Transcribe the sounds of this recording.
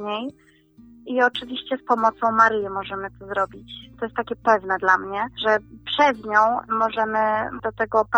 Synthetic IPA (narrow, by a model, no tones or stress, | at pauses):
ɲej | iɔt͡ʂɘvʲiɕt͡ɕɛspɔmɔt̪sɔ̃w̃maɾɘjɛmɔʐɛmɘt̪ɔzɾɔbʲit͡ɕt̪ɔjɛst̪ːakʲɛpɛvnɛd̪lamɲɛʐɛpʂɛzɲɔ̃w̃mɔʐɛmɘd̪̥ɔt̪ɛɡɔp